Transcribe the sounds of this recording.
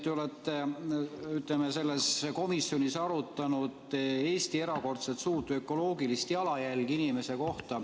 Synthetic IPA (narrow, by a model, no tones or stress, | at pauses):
t̪eolet̪ːe | yt̪lemese̞lːesko̞misːjo̞nʲisɑɾut̪ːˑɑnud̪̥e̞ːst̪ie̞ɾɑko̞rt̪selt̪suːt̪ːuø̞kːˑo̞lo̞ːɡilist̪iɑlɑjælʲɡ̥inime̞se̞ko̞ht̪ɑ